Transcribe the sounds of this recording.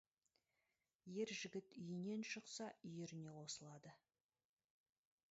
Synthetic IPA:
je̞ɾʒɪɡʲɪt̪ʏjɪne̞nʃəqsɑʏjeɾɪne̞wo̞səlˠɑd̪ə

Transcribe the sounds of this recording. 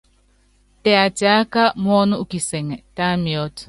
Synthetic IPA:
t̪eat͡ʃakamonuʔukiseŋet̪amiot

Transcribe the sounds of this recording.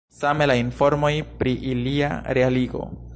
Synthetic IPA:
samelainfo̞ɾmo̞jpɾiʔilia̰ɾe̞aliɡo̞̰

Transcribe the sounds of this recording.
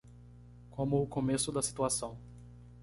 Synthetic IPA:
kʰõmʊːkomesʊd̪ɐsi̥t̪uasɐ̃w̃

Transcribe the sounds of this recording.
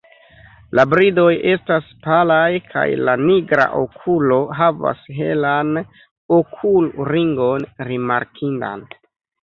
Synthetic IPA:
labɾido̞jʔe̞staspalajkʰa̰jlaniɡɾa̰ʔo̞kʰulo̞ɦava̰sɦe̞̰lan | okʰulɾiŋɡo̞nɾima̰ɾkʰinda̰n

